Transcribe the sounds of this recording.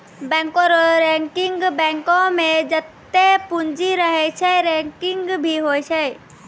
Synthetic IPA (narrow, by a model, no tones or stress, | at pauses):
bɛ̃ŋkõɾɾɛŋkɪŋɡbɛ̃ŋkõmẽd͡ʒət̪ːepund͡ʒiɾəɦɛt͡ʃʰɛɾɛ̃ŋkɪŋɡbʱiɦojt͡ʃʰɛ